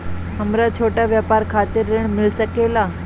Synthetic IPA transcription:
ɦəmɾat͡ʃʰoʈaʋjəpaɾkʰat̪iɾːeɳmɪlsəkela

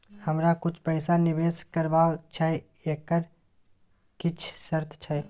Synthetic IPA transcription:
həmɾakʊt͡ʃʰpəːsanɪʋeːskəɾbaːt͡ʃʰɛ | eːkːəɾ | kɪt͡ʃʰsəɾt̪ʰt͡ʃʰɛ

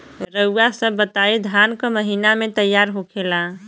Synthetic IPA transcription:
ɾəuasəbːət̪aid̪ʱankəməɦinamet̪əjːaɾɦokʰela

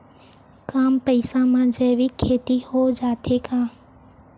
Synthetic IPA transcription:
kaːmpəɪsãmãːd͡ʒɛːʋiːkʰeːt̪ihoːd͡ʒaːt̪ʰeːkaː

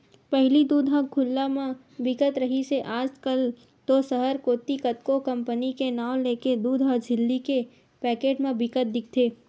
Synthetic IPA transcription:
pɛɦlid̪uːd̪ɦakʰʊlːamã | bɪkət̪ɾɐɦiseʔaːd͡ʒkəl | t̪osəɦəɾkoːt̪ikət̪kokɐ̃mpənikenaːwleːked̪uːd̪ɦəd͡ʒʱɪlːike | pɛːkeːʈmẽbɪkət̪̚d̪ɪk̚ʰt̪ʰeː

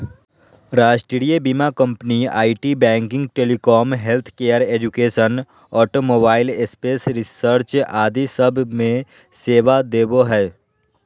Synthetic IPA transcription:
ɾaːʃʈɾɽijebiːmakə̃mpənia̰ːiʈibɛ̃ːŋkɪ̃ŋɡ̚ʈeːlikɔːmɦelt̪ʰkeːəɾeːd͡ʒʊkeːʃən | ɔːʈomoːbaːɪlespeːsɾɪsəɾt͡ʃaːd̪isəbʱmẽ | seːʋad̪eːboɦɛː

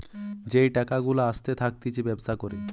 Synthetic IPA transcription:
d͡ʑejʈakaɡulaaʃt̪et̪ʰak̚t̪it͡ɕibɛbsakoɾe

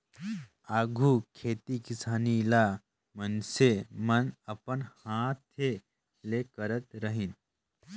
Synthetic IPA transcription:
aɡʱuːkʰeːt̪ikisaːnila | mənsemənəpənhãt̪ʰe | lekəɾət̪ɾəɦin

